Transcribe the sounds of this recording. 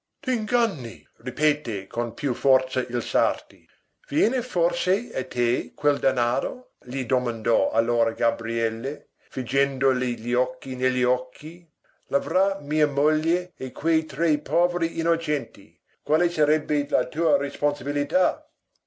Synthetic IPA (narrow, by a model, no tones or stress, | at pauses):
t̪iŋɡanːi | ripeːt̪ekʰonpʰjufɔrt̪sɐʔilsart̪i | vjɛːneforseat̪ʰekʰwɛld̪anaːɾo | ʎid̪omãnd̪ɔa̰lːoːɾaɡabɾiɛlːe | fid͡ʒɛnd̪oliʎiɔkːineʎːiɔkʰːi | lavɾamiːɐmoʎːjeːkʰwejt̪ɾɛjpɔːveɾiʔinot͡ʃɛnt̪ḭ | kwaːlesaɾɛbːelat̪uːɐɾesponsabilit̪a